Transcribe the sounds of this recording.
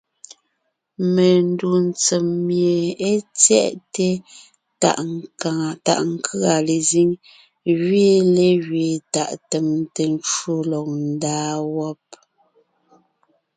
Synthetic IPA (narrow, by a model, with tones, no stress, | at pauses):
me˨n̩˦du˨n˨t͡se˨mːje˨e˦t͡sjɛ̰˦˨ʔte˦ | a̰˨ʔ | ta̰˨ʔŋ˦kʰa˨le˨zi˦ŋ | ɣɥeː˦le˦ɣɥe˨ta˨ʔte˨mte˨n˦t͡ʃu˦lɔ˨k̚n̩˦daː˦wɔ˦p̚